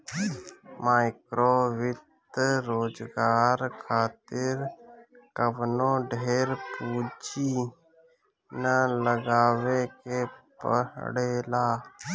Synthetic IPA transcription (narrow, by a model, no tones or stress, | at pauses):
maːɪkɾoːʋɪt̪ɾoːd͡ʒɡaːɾkʰaːt̪ɪɾ | kəʋnõːɖʱeːɾpuːd͡ʒi | nələɡaːʋekepə̰ɦɽeːlaː